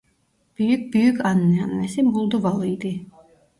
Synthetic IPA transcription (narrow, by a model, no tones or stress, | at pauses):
b̥yjyk̚byjykɑnːɛɑnːɛsimbulˠd̪uvɑlˠɯjd̪ɯ